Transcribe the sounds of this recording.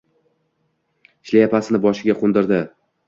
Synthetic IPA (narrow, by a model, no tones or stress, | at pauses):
ɪʃlajapʰasɪnɪbɒʃɪɡʲaqʰond̪ɪɾd̪ɪ